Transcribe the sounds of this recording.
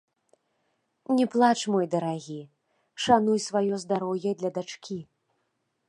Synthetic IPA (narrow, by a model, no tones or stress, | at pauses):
nʲɛplˠat͡ʂmɔjd̪ɐɾaɣʲi | ʂanujsvajɔzd̪aɾɔwjɐd̪lʲɐd̪at͡ʂkʲi